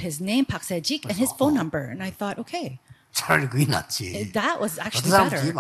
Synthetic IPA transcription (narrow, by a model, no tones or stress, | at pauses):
ɪznẽɪ̃mpʰɑksɛd͡ʒikɨ̃nɨz̥fõʊ̃nːʌ̃mbə˞ɨ̰̃naɪθɔɾʔoʊkʰeɪ | t͡ʃʰaɹɾɨɡwina̰t͡ʃʰḭðɨʔwʔʌzæk̚t͡ʃʉl̩ˠiɛɾə˞